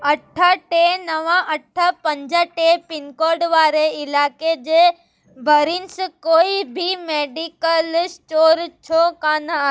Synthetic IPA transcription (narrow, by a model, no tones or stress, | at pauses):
ɐʈʰːaʈenɐʋãʔɐʈʰapɐ̃ɲd͡ʒaʈepɪnkoːɾɖʋaːɾeɪlaːked͡ʒe | bʱɐɾinskoːibʱimeːɖikəlsʈoːɾt͡ʃʰokaːnaa